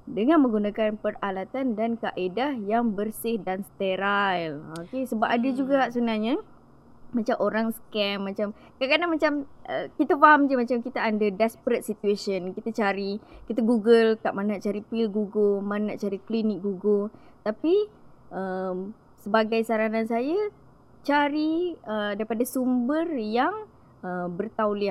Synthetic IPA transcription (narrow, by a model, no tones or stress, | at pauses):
dəŋanmə̃ŋɡunakanpəralat̪andankaʔedahjaŋbərsɪhdanst̪eɾajlokesəbapadad͡ʒuɡasunahɲa | mat͡ʃamʔoɾaŋsə̥kɛmːat͡ʃam | kaʔkadamat͡ʃamʔəkit̪afaɦamd͡ʒəmat͡ʃamkit̪aːndədɛspəɾət̪̚sit̪uesənkit̪at͡ʃaɾikit̪aɡuɡəlkaʔmanaʔt͡ʃaɾipilɡuɡəmanaʔt͡ʃaɾiklinɪk̚ɡuɡət̪apiʔəm | səbaɡajsaɾanansaja | t͡ʃaɾiədaɾipadasumbərjaŋ | əbərt̪awlia